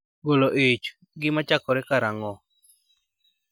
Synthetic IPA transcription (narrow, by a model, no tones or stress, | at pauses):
ɡoloʔet͡ʃ | ɡɪmat͡ʃakɔɾɛkaɾaŋɔ